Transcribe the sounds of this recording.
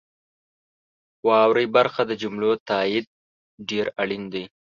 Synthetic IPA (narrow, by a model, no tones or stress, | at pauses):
wɑwɾəjbaɾxad̪əd͡ʒʊmlot̪ɑɪd̪̚ | ɖeɾaɽind̪i